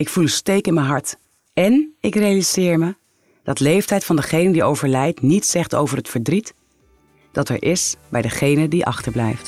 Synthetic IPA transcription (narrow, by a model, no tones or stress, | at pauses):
ɪkfulənstejkɪnmənɦɑɹt | ɛnɪkrejaliz̥ɪːɹmə | d̥ɑtlejftɛjtfɑndəχejnədiowvəɹlɛjtnitsɛχto̰wvərɦətfəɹdrit | d̥ɑtɛ̰ɹʔɪsbɛjdəχejnədiʔɑ̰χtəɹblɛ̰jft